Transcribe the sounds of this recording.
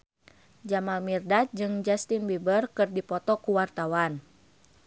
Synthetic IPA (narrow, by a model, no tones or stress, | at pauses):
d͡ʒamalmirdat̪̚d͡ʒɨŋd͡ʒast̪inbibərkɨrdipɔt̪ɔkuwart̪awan